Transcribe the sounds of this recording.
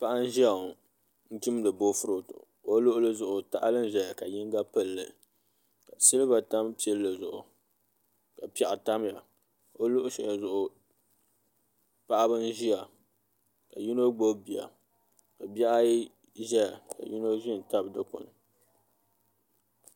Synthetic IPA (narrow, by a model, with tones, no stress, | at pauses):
pa˦ʔa˦n̩˦ʒi˦a˨ | n̩˦tɪ˦m˦dɨ˨bo˦fʊ˦ɾo˨tʊ̰˨ | o˦lʊ˦ʔʊ˦lɨ˦zʊ˨ʔʊ˨ta˦ʔa˦lɨ˦n˦˨ʒɛ˨ja˨ka˨jɪ˦ŋ˦ɡa˦pɨ˦lːɨ̰˨ | ka˨si˦lɨ˦ba˨ta˦mpi˦ɛ˦lːɨ˨zʊ˨ʔʊ˨ | ka˨pɛ˨ʔa˨ta˦mja˨ | o˦lʊ˦ʔʊ˦ʃɛ˨ja˨zʊ˨ʔʊ˨ | pa˦ʔa˦bɨ˦n̩˦ʒi˦a˨ | ka˨ju˦no˦ɡ͡bo˦bi˨ja̰˨ | ka˨ba˦ʔa˦ji˦ | ʒɛ˦ja˨ka̰˨ju˦no˦ʒɪ˦n̩˨ta˦bdɨ˦kʊ̰˨nɨ˨